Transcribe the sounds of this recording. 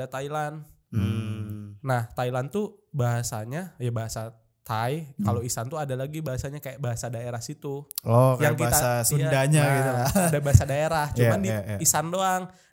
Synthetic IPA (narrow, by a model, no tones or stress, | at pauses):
at̪ailan | m | naht̪ailant̪ubaɦasaɲajabaɦasa | t̪ajkaloisant̪uadalaɡibaɦasaɲakajaʔbaɦasadaeɾahsit̪ulɔkajaŋkit̪aasuadaɲaɡiuaadabaɦasadaeɾaht͡ʃt͡ʃumandiisandoaŋ